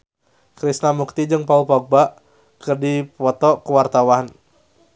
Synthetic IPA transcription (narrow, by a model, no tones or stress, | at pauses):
kɾisnamuk̚t̪id͡ʒɨŋpaulpɔk̚baʔ | kɨrdipɔt̪ɔkuwart̪awan